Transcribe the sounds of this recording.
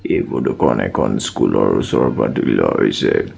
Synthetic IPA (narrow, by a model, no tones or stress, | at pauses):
ebɔdukɔnɛkʰɔnskulɔɹusɔɹpatiklaɦojsɛ